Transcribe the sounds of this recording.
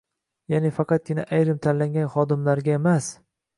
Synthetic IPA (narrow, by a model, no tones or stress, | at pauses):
janɪfɑqʰɑt̪̚ɡʲɪna̰ʔajɾɪmt̪ʰanlaŋɡʲanχɒd̪ɪmlaɾɡʲaemas